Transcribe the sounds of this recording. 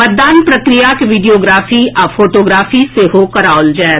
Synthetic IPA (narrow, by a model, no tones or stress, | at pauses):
mɐt̪̚d̪aːnpɾɐkɾijakeʋɪɖijoːɡɾaːfiafoːʈoːɡɾaːfiseɦokɐɾaːld͡ʒɛː